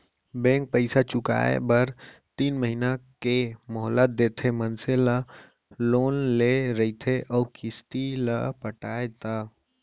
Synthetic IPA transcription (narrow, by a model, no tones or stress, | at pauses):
bẽːŋk̚pəɪsat͡ʃʊka̰ːḛbəɾt̪iːnməɦinakemɔɦlət̪̚d̪eːt̪ʰemənsela | loːnleɾɐit̪ʰeʔɔːkɪst̪ilə̰pəʈaːet̪aː